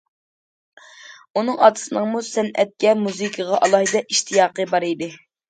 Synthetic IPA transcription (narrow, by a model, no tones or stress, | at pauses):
unɨŋɑ̰d̪ɨ̥sɨnɨŋmusɛnɛt̪̚kʲɛmuzɨkʰəʁɑʔɑlˠɑhɨd̪ɛʔiʃt̪ʰijɑːqəbɑɾijd̪ɪ